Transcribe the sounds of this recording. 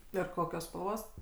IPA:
ɪr ˈkoːkʲoːs spɐlˠˈʋoːs

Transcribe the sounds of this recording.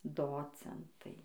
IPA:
ˈdoːt͡sʲɛntɐɪ

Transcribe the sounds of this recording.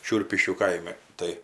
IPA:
ˈʃʲʊrʲpʲɪʃʲkʲuː ˈkɐɪmʲɪ ˈtɐɪ

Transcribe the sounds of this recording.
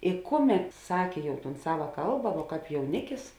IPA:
ɪ ˈkʊˌmʲɛt ˈsɑːkʲeː ˈjɛʊ ˈtuːn ˈsɑːʋɐ ˈkɐlˠbɐ ʋuɔ ˈkɑːp jɛʊˈnʲɪkʲɪs

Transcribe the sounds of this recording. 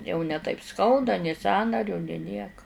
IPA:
jɛʊ nʲɛ tɐɪp ˈskɐʊdɐ nʲeː ˈsɑːnɐrʲʊ nʲeː ˈnʲiɛkɐ

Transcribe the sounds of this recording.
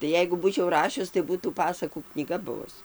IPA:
tɐɪ ˈjɛɪɡʊ ˈbuːt͡ʃʲɛʊ ˈrɑːʃʲʊs tɐɪ ˈbuːtuː ˈpɑːsɐkuː knʲiːˈɡɐ ˈbʊʋʊs

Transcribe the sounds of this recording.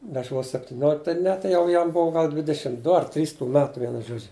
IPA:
ɐʃ ʋoːs sʲɛpʲtʲɪˈnʲoːlʲɪk tɐɪ ˈnʲɛ tɐɪ ˈjɛʊ jɛm ˈbuɔ ˈɡɐlˠ ˈdʲʋʲɪdʲɛʃʲɪm ˈdʊ ɐr ˈtʲrʲiːs tuː ˈmʲæːtuː ˈʋʲiɛnʊ ˈʒoːd͡ʒʲʊ

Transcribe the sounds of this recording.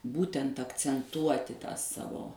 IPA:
ˈbuːtʲɛnt ɐkt͡sʲɛnˈtuɔtʲɪ tɑː ˈsɑːʋoː

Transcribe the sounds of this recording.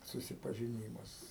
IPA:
sʊsʲɪpɐʒʲɪˈnʲiːmɐs

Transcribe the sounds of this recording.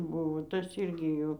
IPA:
ˈbʊʋoː ˈtɐs ˈiːrʲɡʲɪ ˈjuː

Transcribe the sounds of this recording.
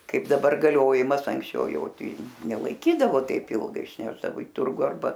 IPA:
ˈkɐɪp dɐˈbɐr ɡɐˈlʲoːjɪmɐs ɐŋksʲˈt͡ʃʲɛʊ ˈjɛʊ ˈtʲɛɪ nʲɛlˠɐɪˈkʲiːdɐʋoː ˈtʲɛɪp ˈɪlˠɡɐɪ ɪʃʲˈnʲæːʒdɐʋoː ɪ ˈtʊrɡʊ ɐrˈbɐ

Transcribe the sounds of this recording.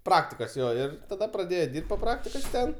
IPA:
ˈprɑːktʲɪkoːs ˈjoː ɪr tɐˈdɐ prɐˈdʲeːjoː ˈdʲɪrpt poː ˈprɑːktʲɪkoːs ˈtʲɛn

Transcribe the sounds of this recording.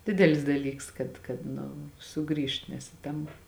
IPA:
ˈdʲɪdʲɛlʲɪs dɐˈlʲiːks kɐt kɐt ˈnʊ ˈsʊˌɡrʲiːʃt nʲɛs ɪ ˈtɐm

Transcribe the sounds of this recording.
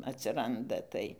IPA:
ɐtʲsʲɪˈrɐndɐ ˈtɐɪ

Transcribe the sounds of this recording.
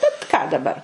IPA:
bʲɛt kɑː dɐˈbɐr

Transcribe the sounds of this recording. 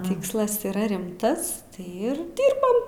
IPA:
ˈtʲiːkslˠɐs iːˈrɐ ˈrʲɪmtɐs ˈɪr ˈdʲɪrbɐm

